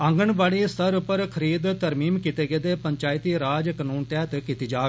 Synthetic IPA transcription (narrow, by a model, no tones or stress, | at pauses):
əŋɡəɳbaːɽiːst̪əɾʊpːəɾkʰəɾiːd̪t̪əɾmiːmkit̪eːɡeːd̪eːpəɲt͡ʃaːɪt̪iːɾaːd͡ʒkənuːnt̪ɛːt̪kit̪iːd͡ʒaːɡ